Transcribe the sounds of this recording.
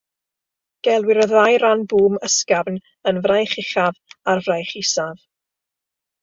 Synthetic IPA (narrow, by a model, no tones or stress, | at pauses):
ɡ̥ɛlˠwɪɾɔðajɾanbuːməskavn | ənvrajχɪχavarvrajχisav